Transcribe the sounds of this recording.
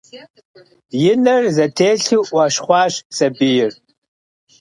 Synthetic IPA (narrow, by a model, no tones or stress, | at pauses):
jɪnɐrzɐtʰeːɬiʔʷɐɕχʷɑːɕsɐbijɪr